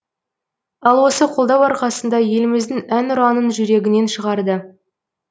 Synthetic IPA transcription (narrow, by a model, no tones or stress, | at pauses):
ɑlˠwo̞səqʰo̞lˠd̪ɑwɑɾqɑsənd̪ɑje̞lɪmɪzd̪ɪŋænʊɾɑnənʒʏɾe̞ɡʲɪne̞nʃəʁɑɾd̪ə